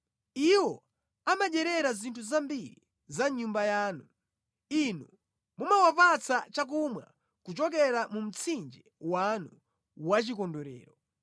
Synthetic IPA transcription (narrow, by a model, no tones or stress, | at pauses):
iwɔ | amaɗɛɾɛɾazintʰuzambiɾḭ | zaɲumbajaːnu | inu | mumawapat͡sʰat͡ʃak̬umwa̰ | kut͡ʃɔk̬ɛɾamum̩t͡sʰind͡ʒɛwanu | wat͡ʃikɔndɔɾɛ̰ːɾɔ